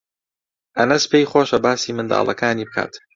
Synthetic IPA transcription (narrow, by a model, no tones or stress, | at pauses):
ʔɐnɐspejχoːʃɐbaːsiːmɨnd̪a̰ːlˠɐ̰kaːniːbɨkʰa̰ːt̪